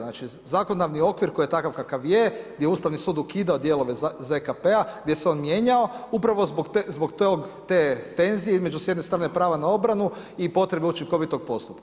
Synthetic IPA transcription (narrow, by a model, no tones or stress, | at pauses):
naːt͡ʃi | zakonod̪aʋnio̞kʋiɾko̞jijet̪akaʋkakaʋjeɡd̪ʲjeuːst̪aʋnisuːd̪ukiːd̪aod̪je̞lˠo̞ʋezekapeaɡd̪je̞seo̞ːnmje̞ɲao̞upɾaʋo̞zboɡ̪zbo̞ɡt̪oɡt̪et̪e̞nzijeizme̞d͡ʒusjenest̪ɾane̞pɾaːʋanao̞bɾanu | ipo̞t̪ɾe̞beut͡ʃiŋko̞ʋit̪o̞ɡ̚po̞st̪upka